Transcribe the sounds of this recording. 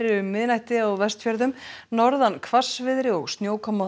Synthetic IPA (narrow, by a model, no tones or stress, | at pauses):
ɾɪʏmːɪðnajht̪ɪawvɛst̪fjaɾðʏmnɔɾðankʰvasvɪðɾɪɔɣst̪njoːwkʰɔmːa